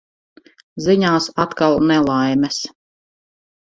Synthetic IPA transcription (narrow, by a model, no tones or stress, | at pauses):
ziɲaːsat̪kalˠnɛlˠajmɛs